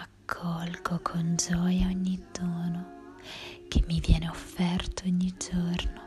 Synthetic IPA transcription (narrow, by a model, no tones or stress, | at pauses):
akʰːɔlɡokʰond͡ʒɔːjaoɲːid̪oːno | k̟ʰemːivjɛːneofːɛrt̪ooɲːid͡ʒorno